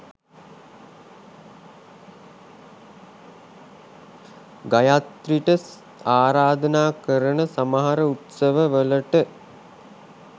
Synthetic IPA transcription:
ɡajat̪ɾiʈəs | aːɾaːd̪ənaːkəɾənəsaməɦaɾəut̪səʋəʋələʈə

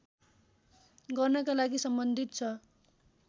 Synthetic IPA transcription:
ɡʌrnʌkalaɡisʌmbʌnd̪ʱit̪̚t͡sʰʌ

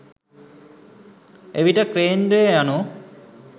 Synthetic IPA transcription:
eʋiʈəkɾeːndejəjano

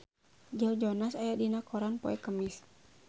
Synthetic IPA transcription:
d͡ʒawd͡ʒɔnasajadinakɔɾanpɔɛkəmis

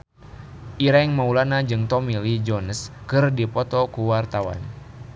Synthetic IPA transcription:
ʔiɾaŋmaulanad͡ʒɨŋt̪ɔmilid͡ʒɔnəskɨrdipɔt̪ɔkuwart̪awa̰n

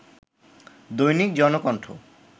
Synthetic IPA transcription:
d̪ojnik̚d͡ʑɔnokɔɳʈʰo

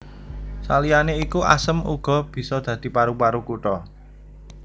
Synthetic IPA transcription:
salijaneikuʔa̰səmṵɡ̥ɔ̤b̥i̤sɔd̪̥ä̤d̪̥i̤paɾupaɾukuʈɔ

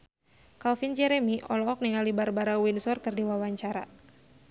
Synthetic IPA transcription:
kalfind͡ʒɛɾɛmiʔɔlɔɔk̚niŋalibarbaɾawinsɔrkɨrdiwawaɲt͡ʃaɾa̰

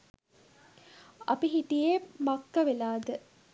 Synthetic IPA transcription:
a̰piɦiʈijemakːəʋelaːd̪ə

